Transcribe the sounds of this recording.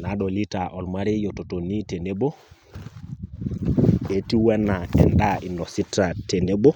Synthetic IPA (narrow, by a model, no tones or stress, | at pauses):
naɗɔlitaʔɔlmaɾijototonitenebo | ɓetiwɛnːaɛ̰ndaʔinɔsitːatenebo